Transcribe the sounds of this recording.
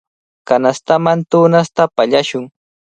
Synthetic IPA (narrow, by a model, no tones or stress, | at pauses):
kanast̪amant̪ʊːnast̪apaʎaʃʊŋ